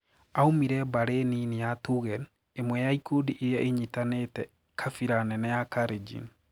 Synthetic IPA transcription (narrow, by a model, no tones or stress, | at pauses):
aumiɾɛbaɾeninijatuɣɛn | emwɛjaikudiʔejaʔeɲitanetɛ | kʰafiɾanɛnɛjakaɾed͡ʒḭn